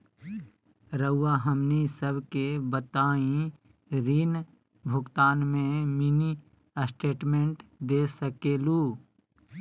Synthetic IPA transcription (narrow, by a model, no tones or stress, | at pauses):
ɾəʊːaːɦəmnisəbʱkebət̪aːĩ | ɾiːn | bʱʊɡt̪aːnmẽmini | əsʈeːʈmẽɳʈd̪eːsəkeːluː